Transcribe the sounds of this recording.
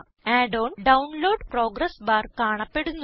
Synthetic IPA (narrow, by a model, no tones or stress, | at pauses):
aːɖoːnɖɐwnloːɖpro̞ːɡɾɐsbaːrkaːɳɐpːe̞ɽunː